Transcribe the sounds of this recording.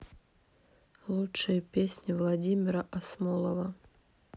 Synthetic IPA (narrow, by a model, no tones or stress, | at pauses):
lˠutʂɨjəpʲesʲnʲivlˠad͡zʲimʲɪɾɐʔasmɔlˠɐvɐ